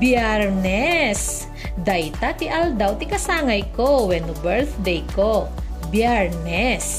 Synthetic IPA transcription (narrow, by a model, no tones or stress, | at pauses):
bjɛɾnɛs | d̪ɐjt̪at̪ɪʔɐld̪awt̪ɪkɐsaːŋɐjkowɛnʊbɛɾθd̪ɛjkobjɛɹnɛs